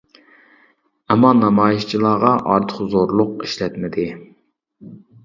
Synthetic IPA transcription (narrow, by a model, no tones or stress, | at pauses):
ɛmːɑnɑmɑːjiʃt͡ʃʰilˠɑːʁɑʔɑɾt̪ʰə̥χzoɾlˠʊqiʃlɛt̪mɪd̪ɪ